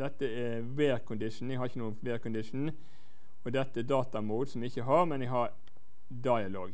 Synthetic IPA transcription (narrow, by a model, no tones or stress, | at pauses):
d̪ɛt̪ːəæ | ʋeːɾkʰʊnd̪ɪʂn̩ɛɡhɑɾɪçənuːənfʋeːɾkʊnd̪ɪʂn̩ | ɔd̪ɛt̪ːəɛd̪ɑːt̪ɑmuːd̪sɔmɪɪçːəɦɑɾmɛnɛɡɦɑɾ | d̪ɑɪɑloːɡ